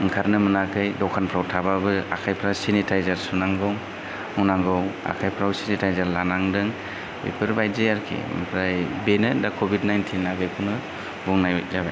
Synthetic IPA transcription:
ɯŋkʰaɾnɯmɯnakʰɯjdɔkʰanpʰɾawtʰababɯa̰kʰajpʰɾawsinitʰajzaɾsunaŋɡɔw | unaŋɡɔwa̰kʰajpʰɾawsinitʰajzaɾlanaŋdɯŋ | bḛpʰɯɾbajzeaɾkʰḭpʰɾajbenɯndakʰobidnajntʰinːaɡɯjkʰɔnɯ | buŋnajɔjt̚zaba

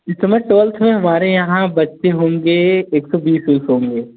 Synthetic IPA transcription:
ɪsəməʈʋəlt̪ʰmẽɦɐmaːɾejɐɦãbɐtʃeɦõːŋɡeeːksɔbiːsuːsɦõːŋɡeː

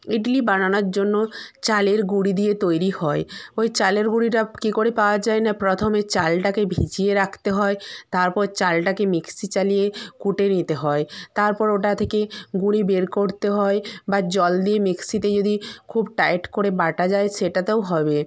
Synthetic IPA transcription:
iʈlibananaɾd͡ʑonːot͡ɕaleɾɡuɽid̪ijet̪ojɾihɔeojt͡ɕaleɾɡuɽiʈakikoɾepaoad͡ʑaenapɾot̪ʰomet͡ɕalʈakebʱit͡ɕijeɾakʰt̪eɦɔet̪aɾpɔɾt͡ɕalʈakemiksit͡ɕalijekuʈenit̪eɦɔet̪aɾpɔɾoʈat̪ʰekeɡuɽ̃ibeɾkoɾt̪eɦɔebad͡ʑɔld̪iemiksit̪ed͡ʑod̪ikʰubʈajʈkoɾebaʈad͡ʑaeʃeʈat̪eoɦɔbe

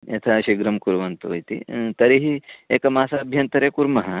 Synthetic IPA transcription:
jḛt̪ʰɐʃiɡɾɐmkuɾʋɐnt̪ujt̪ḭt̪ɐɾiɦieːkɐmaːsɐɐbʱjɐnt̪ɐɾeːkuɾmɐɦɐ

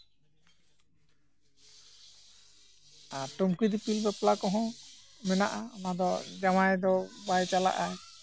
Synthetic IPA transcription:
aʈomkid̪ipilbɛplakɔɦɔ̃mɛna̰ʔaamad̪ɔd͡ʒamajd̪ɔbajt͡ʃala̰ʔaj

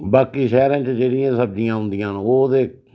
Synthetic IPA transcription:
baːkiːʃɛːɾãːt͡ʃd͡ʒeːɽɪjãːsəb̚d͡ʒɪjãːɦʊ̃nd̪ɪjãːnoːd̪eː

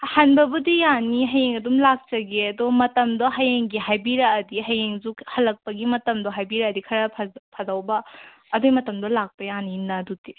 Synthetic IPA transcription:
hanbɐbudijaniɦɐjeŋɐdumlak̚t͡ʃɐɡeɐdɔmɐtɐmdɔɦɐjeŋɡiɦajbiɾɐːdiɦɐjeŋzukhɐlɐk̚pɐɡimɐtɐmdɔɦajbiɾɐːdikʰɐɾɐpʰpʰɐdawbɐː | dojmɐtɐmdɔlak̚pɐjaninɐdudi

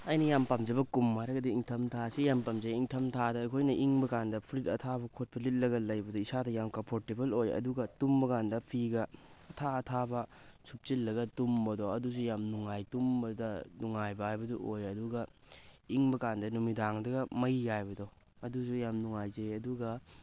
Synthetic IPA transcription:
ɐjnɐjampamzɐbɐkumːaɾɐɡɐdiiŋtʰɐmtʰasijampamzeiŋtʰɐmtʰadoɐjkʰojnɐʔiŋbɐkandɐpʰɾit̚ɐ̰tʰabɐkʰot̚pʰɐlit̚lɐɡɐlɐjbɐdɔisadɐjamkɐmpʰoɾtebɐlojɐ̰duɡɐtumbɐkandɐpʰiɡɐ | ɐtʰaɐtʰabɐ | sup̚t͡ʃilːɐɡɐtumbɐdɔɐdus̬ujamnuŋajtumbɐdɐnuŋajbɐajbɐduʔojɐduɡɐiŋbɐkandɐnumidaŋdɐɡɐmɐjːajbɐdɔ | ɐdusujamnuŋajzeɐduɡɐ

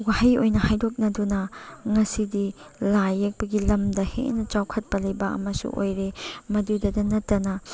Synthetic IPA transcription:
wahajojnɐhajdok̚nɐdunɐŋɐsidilajɐk̚bɐɡilɐmdɐhḛʔnɐt͡ʃawkʰɐt̚pɐlɐjbɐʔɐ̰mɐsṵʔo̰jɾemɐdudɐdɐnɐtːɐnɐ

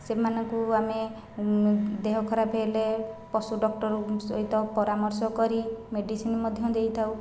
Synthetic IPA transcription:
semanɔŋkuame | d̪eɦɔkʰɔɾapʰelepɔsuɖɔk̚ʈɔɾuo̰it̪ɔpɔɾamɔɾsɔkɔɾimeɖisinmɔd̪ʱjɔd̪ejt̪ʰaw

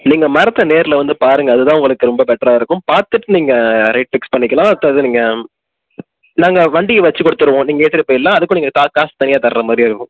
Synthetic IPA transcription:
niːŋɡɐmɐɾɐt̪ːɐneːɾɪlɐʋɐnd̪ɯpaːɾɯŋɡɐːðɯt̪ãːʊŋɡɐɭɯkːɯɾɔmbɐbɛʈːɾaːɪɾɯkːʊ̃mpaːɾt̪ɯʈːɯniːŋɡɐɾɐɪʈ̚fɪkspɐɳːɪkːɐlãːɐt̪ːɐðɯniːŋɡɐ | naːŋɡɐʋɐɳɖɪjɐʋɐt͡ʃːɯkɔɽɯt̪ːɯɾɯʋõːniːŋɡɐeːʈːɪɾɯpːoːjɪlːãːɐðɯkːʊ̃niːŋɡɐt̪aːkːaːst̪ɐnɪjaːt̪ɐɾɾɐmaːd̪ɾiɪɾɯkːʊ̃

